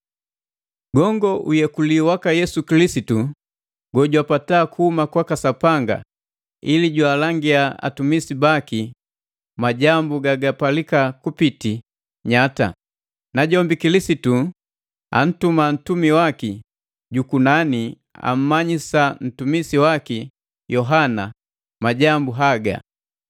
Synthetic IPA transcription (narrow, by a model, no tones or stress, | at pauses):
ɡɔŋɡɔʔujɛkuliwakajɛsukilisitu | ɡɔɟwapataːkuhumakwakasapaŋɡa̰ | iliɟwaːlaŋɡiaa̰tumisibaki | maɟambuɡaɡapalikakupiti | ɲata̰ | naɟɔmbikilisitu | a̰n̩tuman̩tumiwaki | ɟukunani | a̰m̩maɲisan̩tumisiwaki | jɔɦana | maɟambuɦaɡa̰